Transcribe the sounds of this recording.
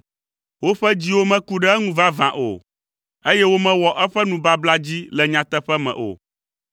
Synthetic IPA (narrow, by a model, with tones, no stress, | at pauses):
wo˦ɸɛ˦d͡ʑi˦wo˦mɛ̃˦ku˦ɖɛ˦ɛ˦ŋũ˦va˦vã̰˨ʔo̰˨ | e˦jɛ˦wo˦mɛ̃˦wɔ˨ʔɛ˦ɸɛ˦nũ˨ba˦bla˦d͡ʑi˦lɛ˨ɲã˨t̪ɛ˦ɸɛ˦mɛ̰̃˨ʔo̰˨